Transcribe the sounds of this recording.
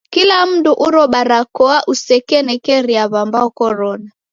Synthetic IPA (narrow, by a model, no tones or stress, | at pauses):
kilam̩duʔuɾɔɓaɾakɔaʔusɛkɛnɛkɛɾiaβambaɔkɔɾɔna